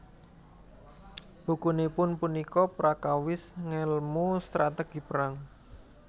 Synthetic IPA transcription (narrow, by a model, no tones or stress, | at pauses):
b̥ṳkunipʊnpunikɔpɾakawɪsŋɛlmust̪ɾat̪eɡ̥i̤pəɾaŋ